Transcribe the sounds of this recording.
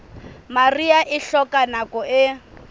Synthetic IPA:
mariaʔɪɬɔkanakɔʔɪ

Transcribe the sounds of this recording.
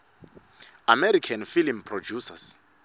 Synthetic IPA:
amɛɾikʰanfilmpʰrɔd͡ʒusas

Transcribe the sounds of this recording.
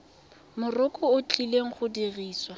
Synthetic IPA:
mʊrʊkʼɔʊt͡ɬʼileŋ̩χʊdiriːswa

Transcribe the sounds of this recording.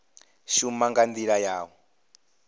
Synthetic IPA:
ʃumaŋɡand̪iɺajaːwɔ

